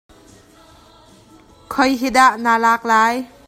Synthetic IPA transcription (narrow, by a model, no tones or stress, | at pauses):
kʰʌjɦidaʔnalak̚laj